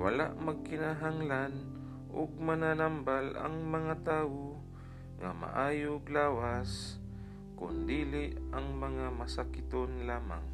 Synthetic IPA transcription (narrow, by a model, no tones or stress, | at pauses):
wa̰la̰ʔmaɡ̚kɪnaɦaŋlan | ʔʊ̰ɡ̚mananambala̰ŋmɐŋat̪aːwo | ŋa̰ma̰ʔaːjʊɡlaːwas | kʊ̰nd̪iːlɪʔaŋmaŋamasakɪt̪onlaːma̰ŋ